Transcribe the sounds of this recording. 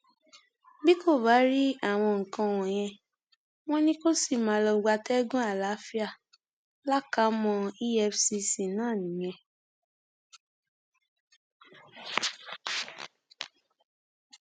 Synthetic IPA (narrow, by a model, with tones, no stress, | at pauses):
bi˦ko˦˨ba˨˦ɾi˦a˦˨w̃ɔ̃˧ŋ̩˨kã˧w̃ɔ̃˨j̃ɛ̃˧ | w̃ɔ̃˦nĩ˦ko˦si˦˨mã˨˦lɔ˧ɡ͡ba˧tɛ˦ɡũ˦a˦˨la˨˦fi˦a˦˨ | la˦ka˨˦mɔ̃˧i˦ɛ˧˦fsi˧si˨nãː˦˨nĩ˨j̃ɛ̃˧˨